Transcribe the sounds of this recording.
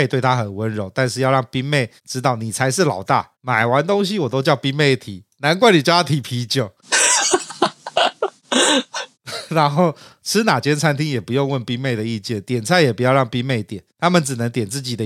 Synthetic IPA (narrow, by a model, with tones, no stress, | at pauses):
e˥˧t̪we˥˩ɪt̪ʰa˦xə˨˩nwə˦nɻo˧˦ʊt̪a˥˧nʂɻ̩˥˧jɑ˥˧ʊɻɑ˥˩ŋpi˥ŋme˥˩ɪ | ʈ͡ʂɻ̩˥t̪ɑ˥˩ʊni˨˩t͡sʰa˧˥ɪʂɻ̩˥˩lɑ˨˩ʊt̪a̰˥˩ | ma˨˩ɪwa˧˦nt̪o˥ŋɕ̬i˧˥wɔ˨˩t̪o˥ʊt͡ɕjɑ˥˧ʊpi˥ŋme˥˩ɪt̪ʰi˨˩˦na˧˦nk̬wa˥˩ni˨˩t͡ɕɑ˥˧a˥˩t̪ʰi˨˩pʰi˧˥t͡ɕjo˨˩ʊ | ɻa˧˦nxo˥˩ʊʈ͡ʂʰɻ̩˥na˨˩t͡ɕjɛ˥nt͡sʰa˥nt̪ʰi˦ŋjɛ˨˩pu˧˦jo˥˧ŋwə˥˩npi˥ŋme˥˩ɪd̪ə˩i˥˧t͡ɕjɛ˥˩nt̪jɛ˨˩nt͡sʰa˥˩jɛ˨˩pu˧˥jɑ˥˧ʊɻɑ˥˩ŋpi˥me˥˩ɪt̪jɛ˨˩˦nt̪ʰa˥mə˨nʈ͡ʂɻ̩˨˩nə˧˦ŋt̪jɛ˨˩nt͡sɹ̩˥˩t͡ɕi˨˩d̪ə˦